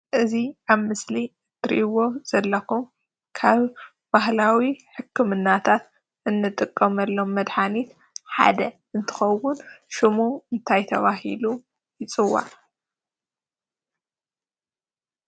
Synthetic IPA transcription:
ʔɨziʔaβmɨsliɨt̪ʰɨɾḭʔwo̞z̥ɐlːɐkum | kʰaβ | b̥ahlawiħɨkʰːɨmɨnːat̪ʰat̪ | ʔɨnːɨt̪ʼɨkʼːɐmɐlːomːɐd̪ħanit̪ | ħa̰d̪ɐ | ɨnt̪ʰɨ̥xɐwːʊnʃɨmuɨnt̪ʰajt̪ʰɐβahḭlu | jɪt͡sʼɨwːa̰ʕ

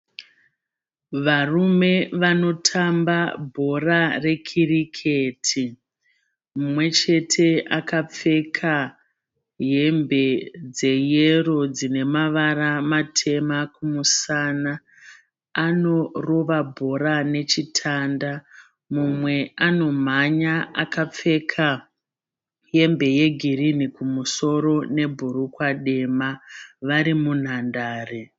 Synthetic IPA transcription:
ʋarume̞ʋano̞tʰambabʱo̞rare̞kʰirikʰetʰi | mumwe̞t͡ʃe̞tʰe̞ʔakap͡fe̞kʰa | ɦe̞mbe̞d͡ze̞jero̞d͡zine̞maʋaɾamatʰe̞makumusanaː | no̞ro̞ʋabʱo̞ɾane̞t͡ʃitʰanda | mumwe̞ano̞m̤aɲaakap͡fe̞kʰa | je̞mbe̞je̞ɡʱirinikumuso̞ɾo̞ne̞bʱuɾukwaɗe̞maʋaɾimun̤andaːre

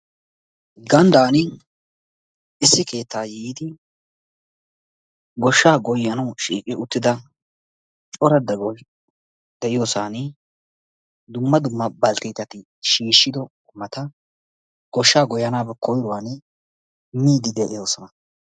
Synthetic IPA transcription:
ɡɐnd̪aːnɪ | ɪsːɪke̞ːt̪ʰːaːjiːd̪ɪ | ɡɔʃːaːɡɔjːɐnɐwʃiːkʼɪʔʊt̪ːɪd̪ɐ | t͡ʃʼɔɾɐd̪ɐɡɔ | d̪̥ɛʔɪjoːsaːnɪ | d̪ʊmːɐd̪ʊmːɐbɐlt̪iːt̪ɐt̪ɪ | ʃiːʃːɪd̪ɔ | mɐt̪ɐ | ɡ̥ɔʃːaːɡɔjɐnaːbɛkɔjɾʊwaːnɪ | miːd̪ɪd̪ɛʔɪjoːsɔnɐ

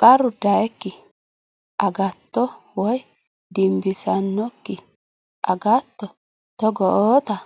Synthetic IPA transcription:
kʼɐɾʊd̪ɐjɛkːɪ | ʔɐɡɐt̪ːɔwɔj | d̪ɪmbɪsɐnːɔkːɪ | ʔɐɡɐt̪ːɔ | t̪ɔɡɔʔoːt̪ɐ

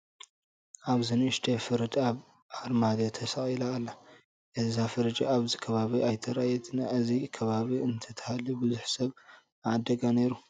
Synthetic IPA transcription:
ʔaβzɨnɨʃt̪ʰefɨɾɨd̪aβ | ʕaɾmad̪ot̪ʰɐsaχʼilaːlːa | ʔɨzafɨɾɐd͡ʒʼaaβzikʰɐβaβiʔajt̪ʰɐɾajɛt̪ʰnaʔɨzikʰɐβaβiɨnt̪ʰɐt̪ʰɐ̥halibɨzuħsɐβ | ʕad̪ːɐɡane̞ɾu

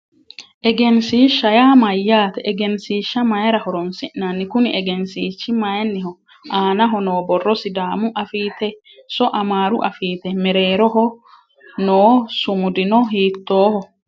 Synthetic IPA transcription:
ʔɛɡɛnsiːʃːɐjaːmɐjːaːt̪ɛʔɛɡɛnsiːʃːɐmɐjɾɐhɔɾɔnsɪʔnanːɪkʊnɪʔɛɡɛnsiːt͡ʃːɪmɐjnːɪɦɔ | ʔaːnɐɦɔnoːbɔrːɔsɪd̪aːmʊʔɐfiːt̪ɛ | sɔʔɐmaːɾʊʔɐ̰fiːt̪ɛmɛɾeːɾɔɦɔ | noːsʊmʊd̪ɪnɔɦiːt̪ːo̞ːhɔ

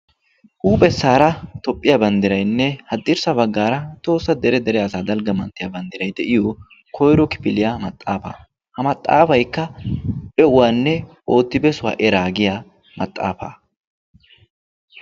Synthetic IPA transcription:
ʔuːpʼɛsːaːɾɐt̪ɔpʼːɪjabɐnd̪ɪɾɐjnːɛhɐd̪ːɪɾsɐbɐɡːaːɾɐt̪o̞ːsːɐd̪ɛɾɛd̪ɛɾɛɐsaːd̪ɐlɡɐmɐnt̪ːɪjabɐnd̪ɪɾɐjd̪ɛʔɪjo | kʰɔjɾɔkɪ̥pɪlɪjamɐt̪ʼːaːfa̰ | hɐmɐt̪ʼːa̰ːfɐjkːɐbɛʔʊwaːnːɛʔo̞ːt̪ːɪbɛsʊwa̰ːʔɛɾaːɡɪjaː | mɐ̰t̪ʼːa̰ːfa̰ː

